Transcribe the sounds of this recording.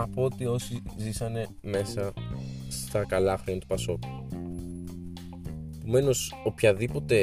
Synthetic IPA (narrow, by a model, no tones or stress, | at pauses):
ɐpoot̪io̞sizisɐne̞ | me̞sɐ | st̪ɐkɐlɐxɾont̪upɐso̞tu̥ | pome̞no̞so̞pçɐðipo̞t̪e̞